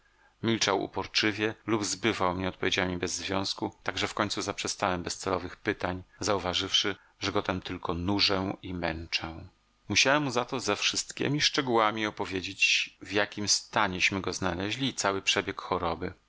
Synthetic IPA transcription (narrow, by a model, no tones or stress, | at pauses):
mʲilt͡ʂawṵpɔɾt͡ʂɘvʲjɛlubzbɘvawmɲɛɔt̪pɔvʲed͡ʑamʲibɛzːvʲjɔ̃w̃skut̪aɡʐɛfkɔɲ̃ʲt̪suzapʂɛst̪awɛmbɛst̪sɛlɔvɘxpɘt̪aɲzauvaʐɘfʂɘ | ʐɛɡɔt̪ɛmt̪ɘlkɔnuʐɛimɛnt͡ʂɛw̃ | muɕawɛmːuzat̪ɔzɛfʂɘst̪kʲḛmʲiʂt͡ʂɛɡuwamʲiɔpɔvʲjed͡ʑet͡ɕvjakʲimst̪aɲɛɕmɘɡɔznalɛʑlʲiːt̪sawɘpʂɛbʲjɛkxɔɾɔbɘ